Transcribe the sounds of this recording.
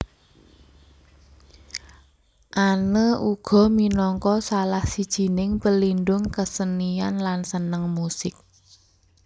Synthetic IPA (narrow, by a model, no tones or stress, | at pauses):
ʔanəʔuɡ̥ɔ̤minɔŋkɔsalahsid̥ʒ̥i̤nɪŋpəlinɖʊŋkəsənianlansənəŋmusɪk̚